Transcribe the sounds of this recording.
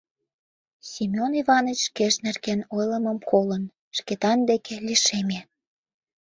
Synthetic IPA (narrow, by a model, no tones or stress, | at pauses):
sʲimʲoniβɑnət͡ɕʃkeʃnerkenojləməmkolən | ʃket̪ɑnd̪ekʰelʲiʃeme